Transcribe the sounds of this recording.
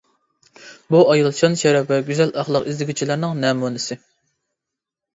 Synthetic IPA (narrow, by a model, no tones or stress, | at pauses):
buɑjɑlˠt͡ʃʰɑnʃɛɾɑbɛɡʲyzɛlɑχlˠəqizlɪɡʲyt͡ʃʰilˠæɾnɨŋnɛːmunɪsɪ